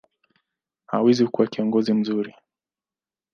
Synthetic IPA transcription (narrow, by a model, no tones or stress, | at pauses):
ha̰wɛziukuwakiɔŋɡɔzim̩zuɾi